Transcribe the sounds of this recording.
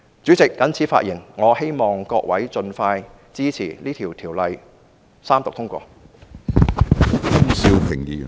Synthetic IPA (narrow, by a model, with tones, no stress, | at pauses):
t͡syː˨˥t͡sɪ˨kːɐ˨˥nt͡sʰi˨˥fa̰ː˧t̚jiː˨˩nŋɔː˨˧he˥jmɔː˨ŋkɔː˧k̚wɐ˨˥jt͡sɵ˧nfaː˧j | t͡siː˥t͡sʰiː˨˩liː˥t̪ʰiː˨˩wt̪ʰiː˨˩wlɐ˨j | saː˥mt̪ʊ˨k̚t̪ʰʊ˥ŋkʷɔ̰ː˧ | kɐ˥msi˧wpʰɪ˨˩ŋjḭː˨˩